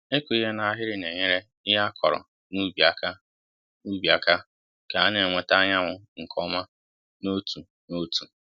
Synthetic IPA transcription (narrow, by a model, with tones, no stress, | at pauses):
e˦kʷu˨i˦ɦe˦na˨a˦ɦɪ˦ɾɪ˦ne˨ɲe˦ɾe˦ | ɪ˦ɦa˦kʰɔ˨ɾɔ̰˨ | nu˦bi˨a˨ka˦ | u˦bi˨a˨ka˦ | ka˨a˦ne˨ŋʷe˦ta˦ɲa˦ŋʷʊ˦ŋ̩˨kʰɔ˦ma˦ | no˦tu˨ | no˦tu˨